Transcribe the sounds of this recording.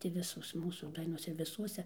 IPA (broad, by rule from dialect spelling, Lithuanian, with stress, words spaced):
tʲɪ ˈʋʲɪsoːs ˈmuːsuː ˈdɐɪnoːs ɪr ʋʲɪˈsuɔsʲɛ